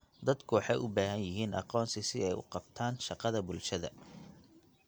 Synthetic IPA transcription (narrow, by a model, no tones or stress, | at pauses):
d̪ɐd̪kʰʊwɑħɑjʔʊbaːɦɐnjɪɦiːnɑqɔːnsɪsɪɛjʊ̰qɑbt̪ʰaːnʃɑqɑðɐbʊlʃɐðɐ̰